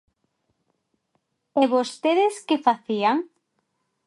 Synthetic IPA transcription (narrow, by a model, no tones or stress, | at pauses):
eβost̪eðɪskefaθiaŋ